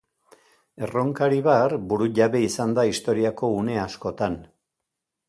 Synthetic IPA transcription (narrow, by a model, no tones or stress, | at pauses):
e̞ro̞ŋkaɾiβarbuɾuʝaβe̞isand̪aist̪o̞ɾiako̞une̞asko̞t̪an